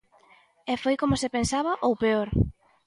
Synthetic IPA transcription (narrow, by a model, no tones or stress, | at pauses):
ɛfojkomʊsepensaβɐʔowpeoɾ